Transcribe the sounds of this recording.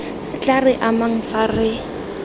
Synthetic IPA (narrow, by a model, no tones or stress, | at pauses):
at͡ɬʼarɪʔamaŋ̩farɪ